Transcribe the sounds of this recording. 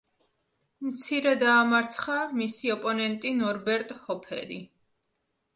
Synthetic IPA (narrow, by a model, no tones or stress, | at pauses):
mt̪sʰiɾɛd̪aːmaɾt̪sʰχamisiɔpʼɔnɛnt̪ʼinɔɾbɛɾt̪ʼhɔpʰɛ̰ɾḭ